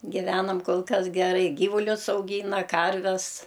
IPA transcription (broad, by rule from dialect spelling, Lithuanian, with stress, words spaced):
ɡʲɪˈʋʲæːnɐm ˈkoːlˠ ˈkɐs ɡʲɛˈrɐɪ ˈɡʲiːʋʊlʲʊs ɐʊˈɡʲiːnɐ ˈkɐrʲʋʲɛs